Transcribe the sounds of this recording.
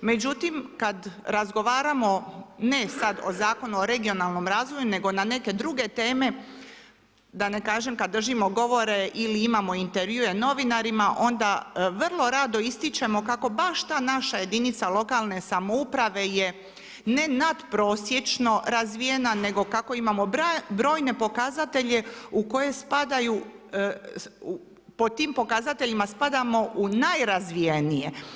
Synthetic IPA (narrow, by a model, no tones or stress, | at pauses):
me̞d͡ʑut̪imkad̪ɾazɡo̞ʋaːɾamo̞ne̞sad̪o̞̰zaːko̞nuoɾe̞ɡio̞naːlˠno̞mɾaːzʋo̞june̞ɡo̞nane̞ke̞d̪ɾuɡe̞t̪e̞ːme̞ | d̪anekaːʒe̞mkad̪ːr̩ʒimo̞ɡo̞ʋo̞ɾe̞ʔiliimaːmo̞int̪eɾʋjue̞no̞ʋinaɾimaʔo̞nd̪aʋrlˠo̞ɾad̪o̞ist̪it͡ʃe̞mo̞kako̞baʃt̪aːnaʃaje̞d̪init̪salo̞kalˠne̞samoupɾaʋe̞je̞ | ne̞nad̪pɾo̞ːsjet͡ʃno̞ɾazʋije̞nane̞ɡo̞kako̞imamo̞bbɾo̞ːjne̞po̞kaːzat̪e̞ʎe̞uko̞je̞spad̪aju | u | pot̪iːmpo̞kazat̪e̞ʎimaspad̪amo̞ʔunajɾazʋijenije̞